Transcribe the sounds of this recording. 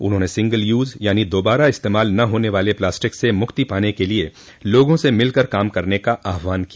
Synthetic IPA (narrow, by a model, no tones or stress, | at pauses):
ʊ̰nɦõːnesɪ̃ŋɡəljuːzjaːnid̪oːbaːɾaɪst̪eːmaːlnɐɦoːneʋaːleplaːsʈɪksemʊkt̪ipaːnekelie | loːɡõsemɪlkɐɾkaːmkɐɾnekaʔaːɦʋaːnkia